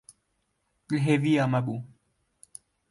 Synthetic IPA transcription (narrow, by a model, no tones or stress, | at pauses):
lɦeviamaɓu